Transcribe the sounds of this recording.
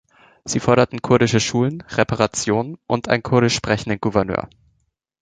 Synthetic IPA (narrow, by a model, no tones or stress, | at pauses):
z̥iːfɔɐɾɐtn̩kʰʊɐɾɪʃəʃuːlənʁepʰaʁat͡sjoːnənʔʊntʔa̰ɪnkʰʊɐɾɪʃpʁ̥ɛçn̩dənɡuvɛɐnø̰ːɐ